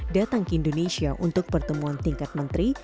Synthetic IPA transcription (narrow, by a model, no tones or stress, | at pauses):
dat̪aŋkəindonesiaʔunt̪ʊk̚pərt̪əmuant̪iŋkat̪̚mənt̪ɾi